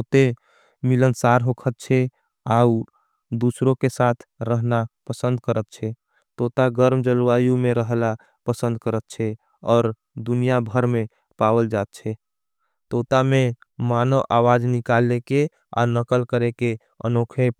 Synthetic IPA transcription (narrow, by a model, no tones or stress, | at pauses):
t̪ot̪e | milənsaɾɦokʰət̪̚t͡ʃʰɛ | au | d̪usɾõkesat̪ʰɾəɦnapəsə̃nd̪̚kəɾət̪̚t͡ʃʰɛ | t̪ot̪aɡəɾmd͡ʒəlʋajũmẽɾəɦla | pəsə̃nd̪̚kəɾət̪̚t͡ʃʰɛ | ɔːɾ | d̪unijabʱəɾme | pawəld͡ʒat̪̚t͡ʃʰɛ | t̪ot̪ame | manəwʔawad͡ʒnikaleke | a̰nəkəlkəɾeke | ə̰nokʰep